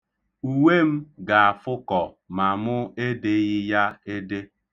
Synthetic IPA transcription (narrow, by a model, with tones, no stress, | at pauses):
u˨we˦m̩˦ɡa˨a˨fʊ˦kɔ˨ | ma˨mʊ˦e˦de˨ɣɪ˦ja˦e˦de˦